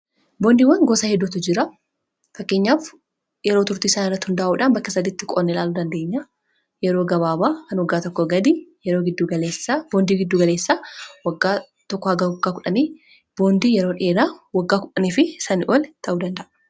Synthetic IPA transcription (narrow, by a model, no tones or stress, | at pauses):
boːnd̪iːwːɐnɡoːsɐhɛd̪ːʊt̪ʊd͡ʒɪɾɐ | fɐkːe̞ːɲːaːf | jɛɾoːt̪ʊɾt̪iːɪsaːnɪrːɐt̪ːhʊnd̪aːʔuːᶑaːnbɐkːɐsɐd̪ɪːt̪ːɪkʼo̰ːnːɛlaːluːd̪ɐnd̪e̞ːɲːaː | jɛɾo̞ːɡɐbaːbaːkɐnwɐɡːaːt̪ɔkːɔɡɐd̪ijɛɾoːɡɪd̪ːuːɡɐleːsab̥oːnd̪iːɡɪd̪ːuːɡɐleːsːaːwɐɡːaː | t̪ɔkːɔhɐɡaːwɐɡːaːkʊᶑɐniː | b̥o̞ːnd̪iːjɛɾo̞ːᶑeːɾaːwɐɡːaːkʊᶑɐniːfɪsɐnɪʔoːlt̪ʰɐʔuːd̪ɐnd̪ɐʔɐ̥